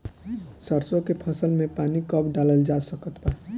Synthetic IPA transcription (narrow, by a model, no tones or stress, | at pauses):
səɾsõkepʰəsəlmẽpaːnikəbɖaːləld͡ʒasəkət̪ba